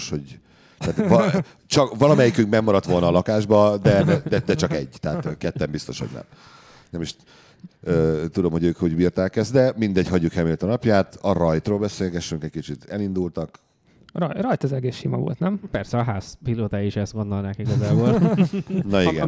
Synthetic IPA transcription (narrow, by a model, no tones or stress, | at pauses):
ʃho̞ɟ | t̪ːt̪v | t͡ʃɒkvɒlɒmɛjikyŋkmɛɡmɒɾɒt̪ʋo̞lnɒːlɒkaːʒbɒd̪ɛɛd̪ɛd̪ɛt͡ʃɒkɛ̰ɟːt̪ɛːt̪kɛt̪ːɛmbist̪o̞̰ʃhoɟnɛ̰m | nɛmiʃ | øːt̪ud̪o̞mho̞ɟøːkhoɟbiːrt̪aːkɛzd̪ɛmind̪ɛɟhɒɟːukhɛlmeːlt̪ɒnɒpjaːt̪ɒrɒjt̪ɾoːlbɛseːlɡɛʃːyŋkɛc̚kit͡ʃit̪ɛlind̪ult̪ɒk | rɒjɾɒjt̪ɛzɛɡeːsʃimɒ̰vo̰lt̪nɛmpɛrsɛɒɦaːspiloːt̪aːiʃɛst̪mond̪onaːkiɡɒzaːboːl | nɒiɡɛ̰n